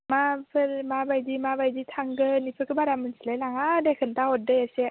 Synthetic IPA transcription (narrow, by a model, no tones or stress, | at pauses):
mapʰɯlmabajdimabajditʰaŋɡɯnipʰɯkɯbaɾamɯnsilajlaŋadekʰɯntaɔt̚dɯjase